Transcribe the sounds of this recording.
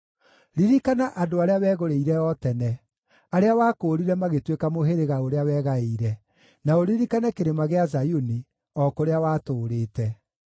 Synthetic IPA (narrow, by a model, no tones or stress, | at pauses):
ɾiɾikanaʔadoaɾeawɛːɣoɾeiɾɛɔtɛnɛ | aɾeawaːkoːɾiɾɛmaɣetwekamoɦeɾeɣaoɾeawɛːɣaeiɾɛ | naoɾiɾikanakeɾemaɣeazajuni | ɔkoɾeawaːtoːɾeːtɛ